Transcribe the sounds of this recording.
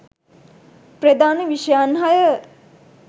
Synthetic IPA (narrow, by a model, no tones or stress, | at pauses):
prəd̪aːneʋiʃəjanɦajə